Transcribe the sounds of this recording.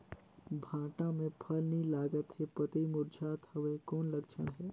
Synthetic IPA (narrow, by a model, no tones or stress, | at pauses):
bʱãːʈãmẽpʰəlnĩlaːɡət̪hepɐt̪imʊɾd͡ʒaːt̪hɐʋekɔːnlɐkt͡ʃʰəɽ̃ɦɛː